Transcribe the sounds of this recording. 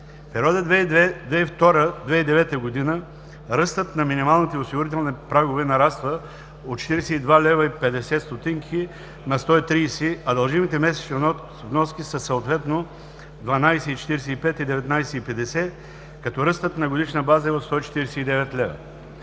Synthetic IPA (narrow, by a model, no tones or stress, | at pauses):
pɛɾiɔd̪əd̪vɛift̪ɔɾəd̪vɛid̪ɛvɛt̪əɡod̪inə | ɾɤst̪ət̪nɐminimalˠnit̪ɛosiɡʊɾit̪ɛlˠnipɾaɡʊvɛnɐɾast̪və | ot̪̚t͡ʃːɛ̥t̪iɾɛsɛid̪valɛvɐipɛd̪ɛsɛt̪st̪ot̪iŋkʰi | nɐst̪ɔit̪ɾijsiɐd̪ɐlˠʒimit̪ɛmɛsɛ̥t͡ʃ | vnɔskʲisəsɐot̪vɛt̪no | d̪vɐnajsɛit͡ʃɛt̪iɾɛsɛipɛt̪id̪ɛvɛt̪najsɛipɛd̪ɛsɛ | kɐt̪ɔɾɤst̪ət̪nɐɡod̪iʃnəbazəɛot̪st̪ɔit͡ʃɛ̥t̪iɾɛsɛid̪ɛvɛt̪lɛvə̰